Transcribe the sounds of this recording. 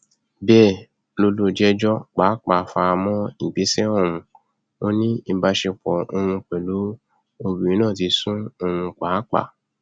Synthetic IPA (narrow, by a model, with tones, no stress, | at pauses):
bɛ˦˨ | lo˧lo˧˨d͡ʒɛ˦d͡ʒɔ˦k͡pa˨˦k͡pa˨fa˧mɔ̃˦i˦˨ɡ͡be˨˦sɛ˦ɔ˦˨wũ˧ | o˦nĩ˦i˧ba˧ʃe˧k͡pɔ˨o˧hũ˧k͡pɛ˨lu˨˦ | o˧bi˨ĩ˨˦nãː˦˨ti˨˧˦sũ˦o˧hũ˧k͡pa˨˦k͡pa̰˦˨